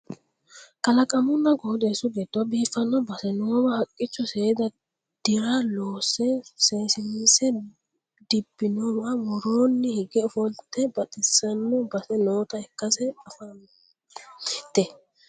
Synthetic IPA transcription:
kʼɐlɐkʼɐmʊnːɐɡod̪eːsʊɡeːt̪ːʊwabiːfːɐnːɔbɐsɛnoːwɐhɐkʼːɪt͡ʃːɔseːd̪ɐ | d̪̥ɪɾaloːsɛseːsɪnisɛ | d̪ɪbːɪnɔwawɔɾoːnːɪhɪɡɛɔfɔlt̪ːɛbɐt̪ʼɪsɐnːɔbɐsɛnoːt̪ɐɛkːɐsɛɐfɐ | t̪ːɛ

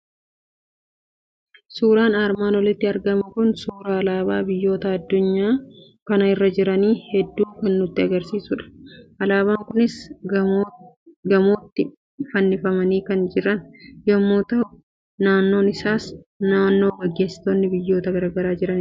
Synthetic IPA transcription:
suːɾaːnaːɾmaːnwɐlɪt̪ːɪɐɾɡɐmʊkʊnsuːɾaːlaːbaːbɪjːo̞ːt̪ɐɐd̪ːʊɲːaː | kɐnɐɪrːɐd͡ʒɪɾɐniːhɛd̪ːuːkɐnːʊt̪ːɪɐɡɐɾsiːsʊᶑɐ̥ʔɐlaːβaːŋkʊnɪs | ɡɐmoːt̪ːɪ | fɐnːɪfɐmɐniːkɐnd͡ʒɪɾɐnjɐmːoːt̪ɐʔʊ | naːnːo̞ːnɪsaːsnaːnːo̞ːɡɐɡːe̞ːsːɪ̥t̪onːɪbɪjːo̞ːt̪ɐɡɐɾaːɡɐɾaːd͡ʒɪɾɐn

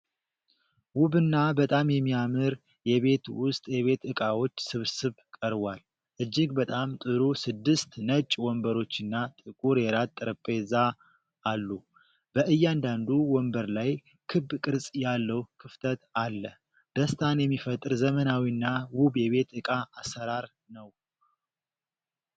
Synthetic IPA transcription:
wuβɨnːabət̪ʼamjɛmːiamɨɾ | jɛβe̞t̪wʊst̪ʼjɛβe̞t̪ɨkʼawo̞t͡ʃːsɨβsɨβkʼəɾβʷal | ʔɨd͡ʒːɪɡbət̪ʼamt̪ʼɨɾusɨd̪ːɨst̪nət͡ʃʼwɔmbəɾo̞t͡ʃːɨnːat̪ʼɨkʼuɾjɛɾat̪ʼːɨɾəpʼeza | alːu | b̥əʔɨjːand̪and̪uwɔmbəɾlaj | kʰɨbkʼɨɾsʼjalːəwkʰɨft̪ʰət̪alːə | d̪̥əst̪ʰanjɛmːifət̪ʼːɨɾzəmənawinːawubjɛβe̞t̪ɨkʼaʔːsəɾaɾ | nəw

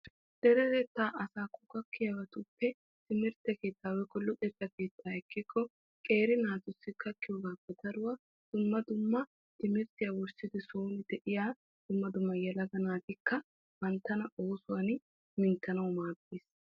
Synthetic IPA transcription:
d̪̥ɛɾɛɾɛt̪ːaːʔɐsaːkʊkɐkːɪjɐwɐt̪ʊpːɛ | t̪ɪmɪɾt̪ɛke̞ːt̪ːaːwɛkʼɔlːʊt̪ʼɛt̪ːɐke̞ːt̪ːaːɛkːɪkʰːɔ | kʼe̞ːɾɪnaːt̪ʊsːɪkːɐkːɪjoɡaːpːɛt̪ɐɾʊwɐ | d̪̥ʊmːɐd̪ʊmːɐ | t̪ɪmɪɾt̪ɪjɐwʊɾsɪd̪ɪsoːnɪd̪ɛʔɪjaː | d̪̥ʊmːɐd̪ʊmːɐjɛlɐɡɐnaːt̪ɪkːɐ | bɐnt̪ːɐnɐʔoːsʊwɐn | mɪnt̪ːɐnɐwʊmaːbeːs

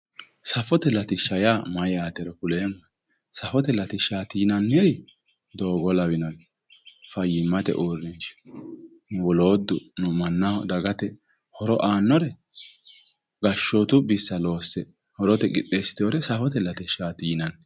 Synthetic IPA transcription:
sɐfɔt̪ɛlɐt̪ɪʃɐjaːmɐjaːt̪ɛɾɛkʊleːmːɐ | sɐfɔt̪ɛlɐt̪ɪʃaːt̪iːnɐnːɪɾɪ | d̪o̞ːɡɔlɐwɪnɔj | fɐjːɪmːɐt̪ɛ̰ʔurɪnʃ | nʊwɔloːd̪ːʊ̰nʊmɐnːad̪ɐɡɐt̪ɛ | hɔɾɔʔaːnːɔɾɛ | ɡɐʃːɔt̪ʊbɪsːɐlo̞ːsːɛ | hɔɾɔt̪ɛɡɪt̪ʼːeːsɪ̥t̪oːɾɛsɐfɔt̪ɛlɐt̪ɛʃaːt̪iːnɐn

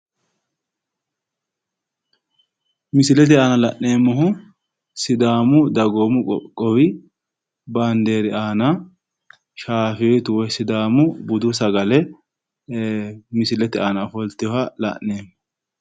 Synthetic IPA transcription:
mɪsɪlɛt̪̬ɪaːnɐlɐʔne̞ːmːɔɦʊ | sɪd̪aːmʊd̪ɐɡoːmʊkʼːɔwɪ | bɐnd̪e̞ːɾɪaːnɐ | ʃaːfɪjɔjt̪ʊwɔsɪd̪aːmʊbʊd̪ʊsɐɡɐlɛ | mɪsɪlɛt̪ɪaːnɐfɔlt̪ːɪjɔhɐlɐ̰ʔeːmːɔ

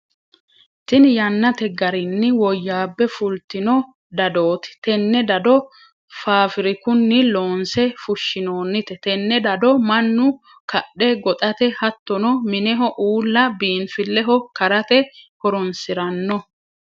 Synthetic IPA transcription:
t̪ɪnjɐnːɐt̪ɛɡɐɾɪnːɪwɔjːaːbːɛfʊlt̪ɪnɔ | d̪ɐd̪o̞ːt̪ɪ̥t̪ɛnːɛd̪ɐd̪ɔ | faːfɪɾɪkʊnːɪlo̞ːnsɛfʊʃːɪno̞ːnːɪt̪ɛt̪ɛnːɛd̪ɐd̪ɔmɐnːʊ | kɐɗɛɡɔt̪ʼɐt̪ɛhɐt̪ːɔnɔmɪnɛɦɔʔuːlːɐbiːnfɪlːɛɦɔkɐɾɐt̪ɛhɔɾɔnsɪɾɐnːɔ

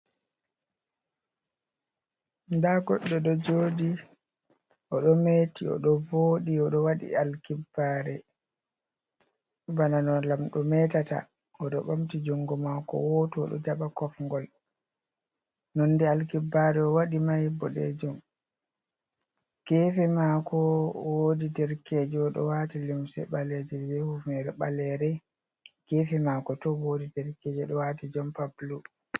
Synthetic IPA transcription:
ndaɡɔɗːɛɗɔd͡ʒoːdi | ʔɔɗɔmetiɔ̰ɗɔvoːɗiɔɗɔwaɗḭalkibːaːɾɛ | bananɔlamɗɔmɛtata̰ | ɔɗɔɓamtid͡ʒuŋɡɔmakɔ̰wotɔɔ̰ɗɔ̰d͡ʒaɓakɔfŋɡɔl | nɔnːdɛalkibaɾɛɔwaɗimajbɔɗɛ̰d͡ʒɔm | kɛfɛmakɔwodidɛɾked͡ʒɛɔɗɔ̰waːtilimsɛ̰ɓalɛd͡ʒɛbɛhufɛɾɛɓalɛɾɛ | ɡ̥ɛfɛmaːkɔtɔwodidɛɾkeːd͡ʒɛɗɔwatid͡ʒɔmpablu

